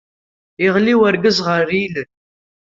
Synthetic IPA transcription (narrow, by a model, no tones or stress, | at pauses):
ɪʁliwæɾɡəzʁəɾilə